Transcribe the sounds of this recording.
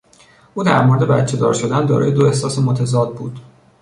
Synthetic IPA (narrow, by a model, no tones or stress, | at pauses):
ʔuːd̪æ̰ɾmo̞ɾed̪e̞bæt̪t͡ʃʰe̞d̪ɒ̰ːɾʃo̞d̪ænd̪ɒ̰ːɾɒ̰ːje̞d̪oe̞hsɒːsemot̪ʰæzɒːd̪̚buːd̪̥